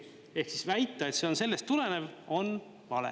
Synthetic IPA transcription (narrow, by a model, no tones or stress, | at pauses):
e̞hksisvæjt̪ːˑɑe̞t̪se̞o̞nse̞lːe̞st̪ːule̞ne̞vo̞n | vɑlḛ